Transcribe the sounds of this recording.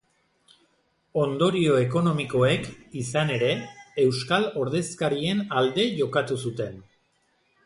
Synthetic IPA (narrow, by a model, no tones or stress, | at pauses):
o̞nd̪oɾio̞e̞ko̞no̞miko̞e̞kisane̞ɾe̞ːwskalo̞ɾðe̞skaɾienald̪e̞ʝo̞kat̪usut̪e̞n